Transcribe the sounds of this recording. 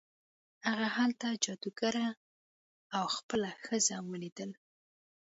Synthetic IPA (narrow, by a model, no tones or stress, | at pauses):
haɣahalt̪ad͡ʒɑd̪uɡaɾa | awxpəlaxəzawəlid̪əl